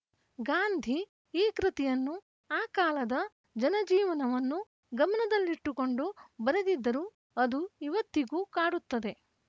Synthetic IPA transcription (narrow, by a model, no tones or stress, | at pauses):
ɡaːnd̪ʱi | iːkɾit̪ijɐnːu | aːkaːlɐd̪ɐ | d͡ʒɐnɐd͡ʒiːʋɐnɐʋɐnːu | ɡɐmɐnɐd̪ɐlːiʈːuko̞ɳɖubɐɾed̪id̪ːɐɾu | ɐd̪uiʋɐt̪ːiɡuːkaːɽut̪ːɐd̪e̞